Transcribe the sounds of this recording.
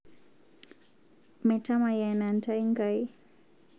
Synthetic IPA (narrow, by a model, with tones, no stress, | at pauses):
mɛ˨ta˦ma˨ja˨na˨nta˦jŋɡaj